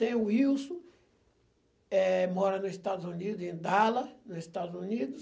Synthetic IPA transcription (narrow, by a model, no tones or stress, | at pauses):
t̪ẽj̃ʊiwsũ | ɛmɔɾɐnʊzɪst̪ad̪ʊzunid̪ʊzẽnd̪alɐnʊzɪst̪ad̪ʊzunid̪ʊs